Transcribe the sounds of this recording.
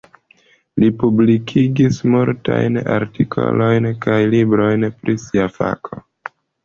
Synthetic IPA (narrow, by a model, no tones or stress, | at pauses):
lipublikʰiɡismuɾtajnaɾtikʰo̰lo̞jnkajlibɾo̞jnpɾisiafa̰kʰo̞